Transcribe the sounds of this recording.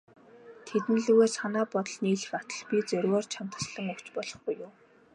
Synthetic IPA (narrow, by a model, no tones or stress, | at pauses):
t̪ʰet̪ɘ̆nɮuɣeːsanaːpɔt̪ɞ̆ɮniːɮɘ̆xat̪ə̆ɮpʲit͡sœɾʲɣɔːrt͡ɕʰam̥t̪ə̥̆sɮə̆ŋɵkt͡ɕpɔɮɞ̥̆χɡujːʊː